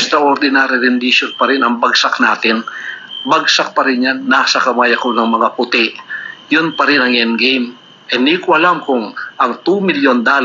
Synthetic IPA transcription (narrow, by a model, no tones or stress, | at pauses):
ɛst̪ɾɐʔoɾd̪ɪnaːɾɪɾɪnd̪iʃonpɐɾɪnɐŋbɐɡ̚sak̚naːt̪ɪnbɐɡsak̚pɐɾɪnjanːaːsɐkɐmaːjɐkonɐŋmɐŋapʊt̪ɪʔjʊnpɐɾɪnɐŋɛnɡejm | ʔɛnikoʔɐlamkʊŋʔɐŋt̪umɪljond̪aːl